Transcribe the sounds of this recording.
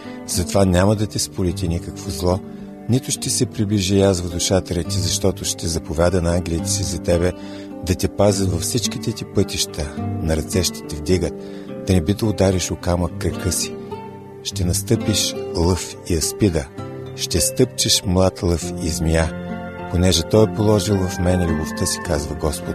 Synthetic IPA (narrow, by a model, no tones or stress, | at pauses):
z̥ɐt̪ovanʲaməd̪ɐt̪ɛspʊlɛt̪inikəkvozlˠɔ | nit̪ʊʃt̪ɛsɛpɾibliʒijazvɐd̪ʊʃat̪ɛɾɛt̪izɐʃt̪ɔt̪ʊʃt̪ɛzɐpʊvʲjad̪ənɐaŋɡʲlʲiət̪ə̥sizɐt̪ɛbɛ | d̪ɐt̪ʲɛpazʲəd̪vɐfsit͡ʃkit̪ɛt̪ipɤt̪iʃt̪ənɐɾɐt̪sɛʃt̪ɛ̥t̪ɛvd̪iɡət̪̚ | d̪̥ɐnɛbid̪əʊd̪aɾiʃokaməkːɾɐkɤsi̥ | ʃt̪ɛnɐst̪ɤpiʃlˠɤf | iɐspid̪əʃt̪ɛst̪ɤp̚t͡ʃəʃmlˠat̪lˠɤfizmiaponɛʒɛt̪ɔjɛpolˠɔʒilˠvɐfmɛnɛlʲubʊft̪əsi̥kazvəɡɔspʊt̪